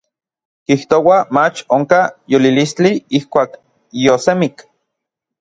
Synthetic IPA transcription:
kiht̪owamat͡ʃoŋkajolilist͡ɬiihkʷaːk | josemik

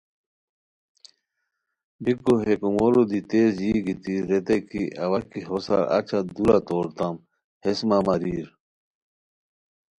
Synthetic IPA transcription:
bikːoɦekumolod̪it̪eːzjiɡit̪iɾet̪ekiʔɐwɐkiɦosa̰ɾɐ̰t͡ɕʰad̪ulat̪oːɾt̪am | hesmamɐɾiːɾ

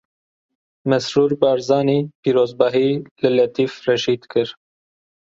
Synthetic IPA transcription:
mɛsɾuːɾbɑːɾzɑːniːpiːɾoːzbɑɦiːlɨlɛt̪iːfrɛʃiːd̪kʰɨɾ

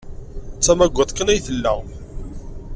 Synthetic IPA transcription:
t͡sːæmæɡʷːæt̪ˤkənæjθəlːæ

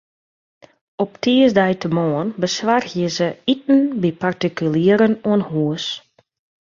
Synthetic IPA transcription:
ɔptʰiəzdɛjtəmɔənbəsʋarxjəzəit̚n̩bipartikyliəɾənuənhuəs

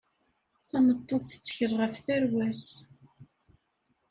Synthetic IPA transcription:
θæmət̪ˤːoðθə̥t͡sːçəɾˤʁəfθæɾwæs

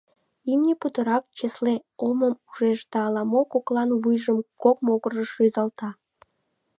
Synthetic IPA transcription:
imnʲeput̪əɾɑk̚t͡ɕesleoməmuʒeʃd̪ɑːlɑmokoklɑnβujʒəmkok̚moɣərʒəʃøzɑlt̪ɑ

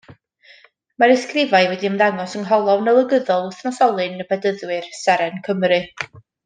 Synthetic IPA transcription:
maɾɪskrɪvaɨvwɛdiəmðaŋɔsəŋɦɔlˠɔvnəlˠəɡəðɔlˠʊθnɔsɔlˠɨnəbʰɛdəðwɨrsɛɾɛnkʰəmrɨ

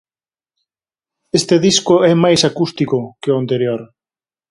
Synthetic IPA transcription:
est̪eðiskʊɛmajsakust̪ikʊkeʊant̪eɾjoɾ

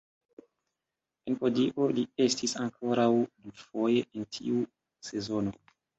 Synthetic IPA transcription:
enpo̞diʔo̞lie̞stisaŋkʰo̞ɾawdufo̞je̞ʔentʰḭu | se̞zo̞no̞

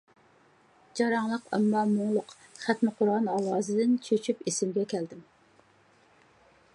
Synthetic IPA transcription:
d͡ʒɑɾɑŋlˠəqɑ̰mːɑmoŋlˠʊqχæt̪mɪqʰʊɾʁɑnɑlˠɑːzɨd̪ɪnt͡ʃʰøt͡ʃʰypesɪmɡʲɛkʲɛld̪ɪm

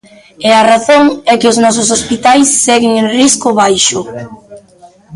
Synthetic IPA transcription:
ɛaraθoŋɛkɪʊznɔs̬ʊsospit̪ajsːɛɣɪŋenriskʊβajʃʊ

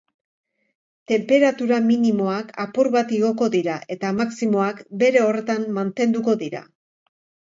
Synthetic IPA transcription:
t̪e̞mpe̞ɾat̪uɾaminimo̞akapuɾβat̪iɣ̞o̞ko̞ðiɾaʔe̞t̪amaksimo̞akbe̞ɾe̞o̞re̞t̪ammant̪e̞nd̪uko̞ðiɾa̰

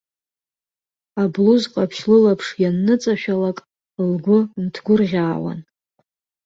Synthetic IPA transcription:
abluzqʼapʰʃlɨlapʰʂjanːɨt͡sʼaʃᶣalakʼ | lɡʷʊmtʰɡʷʊrʁʲaːwa̰n

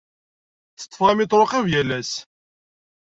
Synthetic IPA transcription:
t͡sːə̥t̪ˤːfʁæmɪt̪ˤɾˤoqævjælæs

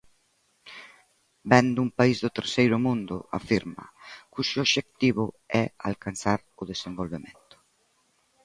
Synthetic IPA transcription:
bɛnd̪ʊumpaizðʊt̪eɾsejɾʊmũnd̪ʊ̰a̰fiɾmɐ̰kuʃʊoβʃek̚t̪iβʊ̰ | ɛa̰lkansaɾʊðesembolβemẽnt̪ʊ̥

